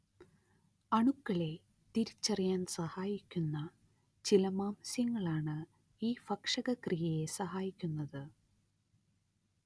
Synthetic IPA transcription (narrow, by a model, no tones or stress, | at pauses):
ɐɳukːɐɭe̞ | t̪iɾit͡ɕːɐrijaːnsɐhaːjikʲːunːɐ | t͡ɕilɐmaːmɐsjɐŋːɐɭaːɳɨ | iːfɐkʂɐɣɐkrijɐje̞sɐɦaːjikʲːunːɐðɨ